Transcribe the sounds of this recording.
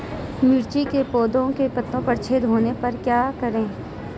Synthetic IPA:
mɪɾt͡ʃikepoːd̪õkepɐt̪ːõpɐɾt͡ʃʰeːd̪ɦoːnepɐɾkjaːkɐɾẽː

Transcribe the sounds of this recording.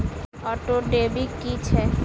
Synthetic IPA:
ɔʈoɖebikːit͡ɕʰe

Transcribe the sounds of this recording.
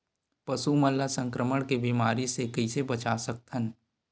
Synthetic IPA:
pɐsuməlːasə̃ŋkɾəməɽ̃kebimaːɾisekəɪsebɐt͡ʃasək̚t̪ʰən

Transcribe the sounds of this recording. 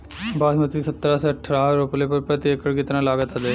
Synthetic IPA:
baːdmət̪isət̪ːɾãseəʈʰɾãːɾoːplepəɾpɾət̪jeːkəɽkɪt̪ɾãːlaːɡət̪ad̪e

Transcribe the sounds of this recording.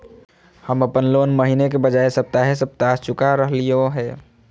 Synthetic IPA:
həməpənlonməɦinekebəd͡ʒaesəp̚t̪aɦes̬əb̚t̪ast͡ʃʊkaɾəɦlijoɦɛː

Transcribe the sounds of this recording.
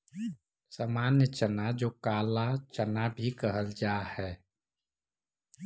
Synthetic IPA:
saːmaːnjət͡ʃənad͡ʒoːkaːlat͡ʃənabʱikəɦəld͡ʒaːhɛː

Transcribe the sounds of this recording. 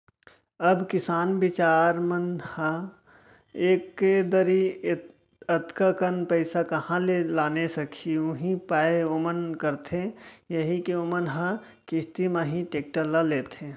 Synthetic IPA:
əbkɪsaːnbɪt͡ʃaːɾmənhə | eːkːed̪əɾi | ət̪kakənpəɪsakɐhãlelaːnesɐkʰiʊɦĩpaːeomənkəɾt̪ʰejəɦikiomənɦə̃ | kɪst̪imə̃ɦĩʈeːk̚ʈəɾlaleːt̪ʰẽː

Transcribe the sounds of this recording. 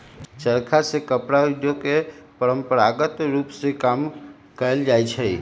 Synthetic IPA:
t͡ʃəɾkʰasekəpɾaid̪jokepəɾəmpəɾaɡət̪ɾupsekam | kəeld͡ʒajt͡ʃʰe

